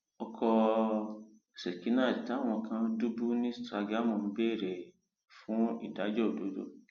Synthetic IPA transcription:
ɔ˧kʰɔ˧˨ | se˨ki˨˦nãː˦˨d͡ʒi˨ta˨˦˨w̃ɔ̃˧kã˧˦du˦bu˦nĩ˦stɾa˧ɡɾa˦˨mũ˨m̩˦be˦˨ɾe˨ | fũ˨˦ḭ˦˨da˨˦d͡ʒɔ˦o˨do˨˦do̰˦˨

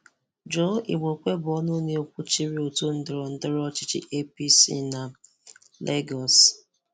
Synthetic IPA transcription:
d͡ʒo˦ḭ˨ɡ͡bo˨kʷe˦bɔ˦nʊ˦ɲe˦o˨kʷu˦t͡ʃi˦ɾi˦o˨to˦n̩˦dɪ˨ɾɔ˨n̩˦dɪ˦ɾɔ˦t͡ʃɪ˦t͡ʃḭ˦ʔe˦pi˦sḭ˦na˨ | lʔe˦ɡɔ˨s

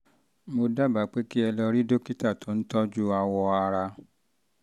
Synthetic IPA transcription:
mo˧da˦ba˨˦k͡pe˦ki˦ɛ˧lɔ˧ɾi˦do˦ki˦ta˦˨to˨˦n̩˦tɔ˦d͡ʒu˦a˧wɔ˧a˧ɾa˧

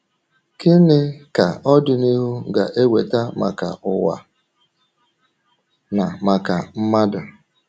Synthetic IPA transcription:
kɪ˦nɪ˦ka˨ɔ˦dʊ˨ni˦ɦu˦ɡa˨ʔe˦we˨ta˦ma̰˨ka̰˨ʊ˨wa̰˨ | na˨ma˨ka˨m̩˦ma˦da˨

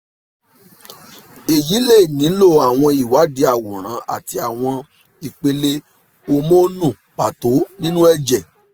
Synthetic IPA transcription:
e˨ji˨˦le˦˨nĩ˨˦lo˦˨a˨w̃ɔ̃˧i˨wa˨˦di˨˦a˦˨wo˨ɾ̃ã˨˦a̰˨ti˧a˨w̃ɔ̃˧ | i˨k͡pe˧le˧ | o˧mo˦nũ˦˨k͡pa˨to˨˦nĩ˦nũ˦ɛ˦˨d͡ʒɛ˨

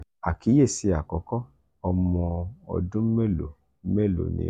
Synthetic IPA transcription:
a˨ki˨˦je˦˨si˨˧˦a˨kɔ˨˦kɔ˦ | ɔ˧mɔ̃˧ɔ̰˧dũ˦me˦lo̰˨˦ | me˦˨lo̰˨nḭ̃˨˦

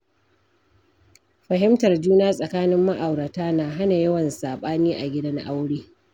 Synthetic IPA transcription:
ɸɐ˨ɦɪ˦mtɐ˨rd͡ʒuː˦naː˦sʼɐ˨kaː˦nɪ˦mːa˦ʔa˨wɽa˨taː˦naː˨ɦa˦na˨jɐ˦wɐ˨nsaː˨ɓaː˦niː˦ʔa˨ɡʲɪ˦dɐ˦nʔa˦wɽiː˦

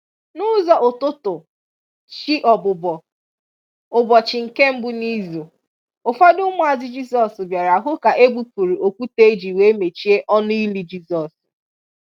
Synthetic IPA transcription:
nʊ˦zɔ˨ʔʊ˨tʊ˦tʊ˨ | t͡ʃi˦ʔɔ˨bʊ˨bɔ˨ | ʊ˨bɔ˨t͡ʃɪ˨ŋ̩˨ke˦m̩˦bʊ˦ni˦zo˨ | ʊ˨fa˦dʊ˦mʊ˦a˨zɪ˦d͡ʒi˦sɔ˨sbja˨ɾa˨ɦʊ˦ka˨ʔe˦bu˦pu˨ɾi˨o˨kʷu˦te˦d͡ʒi˨we˨˦me˨t͡ʃi˦e˦ʔɔ˦nʊ˦i˦li˨d͡ʒi˦sɔ˨s

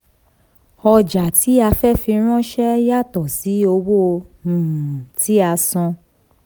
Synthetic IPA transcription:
ɔ˧d͡ʒa˨ti˨˦a˧fɛ˦fĩ˧ɾ̃ɔ̃˦ʃɛ˦ja˦˨tɔ˨si˨˦o˧wõ˦˧˨ | ti˨˦a˧sɔ̃˧

